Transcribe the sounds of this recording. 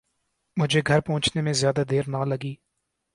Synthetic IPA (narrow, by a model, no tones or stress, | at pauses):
mʊd͡ʒʱeːɡʱəɾpɔ̃ʊt͡ʃnemẽzɪjaːd̪aːd̪eːɾnaləɡiː